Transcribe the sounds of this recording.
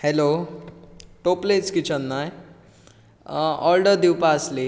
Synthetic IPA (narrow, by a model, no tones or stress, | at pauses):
helo | ʈoplet͡skit͡ɕʰənːaj | ɔlɖəɾd̪iwpasli